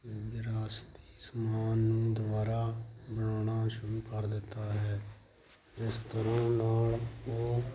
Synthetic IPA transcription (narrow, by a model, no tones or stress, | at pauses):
bɪɾaːst̪i̥ːsmaːnːũːd̪ʋaːɾaːbəɽaːɽ̃aːʃʊɾuːkəɾd̪ɪt̪ːaːɦɛː | ɪst̪əɾãːnaːloː